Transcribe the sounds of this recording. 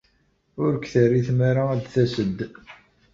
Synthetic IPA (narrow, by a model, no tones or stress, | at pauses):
ʊɾkθərːiθmaɾaæd̪θæsəd̪ː